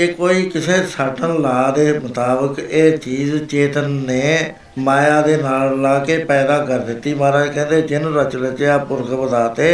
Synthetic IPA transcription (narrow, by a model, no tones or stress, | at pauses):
eːkoːiːkɪseːsəʈʰənlaːd̪eːmʊt̪aːbəkeːt͡ʃiːzt͡ʃeːt̪ənːeː | maːjaːd̪eːnaːllaːkeːpɛːd̪aːkəɾd̪ɪt̪ːiːmaːɾakɛ̃ːnd̪eːd͡ʒɪnɾət͡ʃlət͡ʃeaːpʊɾkbəd̪aːt̪eː